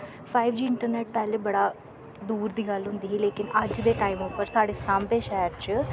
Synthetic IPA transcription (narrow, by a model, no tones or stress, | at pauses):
pʰaːɪʋd͡ʒiːɪɳʈəɾnɛːʈ̚pɛːleːbəɽaː | d̪uːɾd̪iːɡəlɦʊ̃nd̪iːɦɛleːkɪnəd͡ʒd̪eːʈaːiːmoːpəɾsaːɽeːsãːmbeːʃɛːəɾt͡ʃ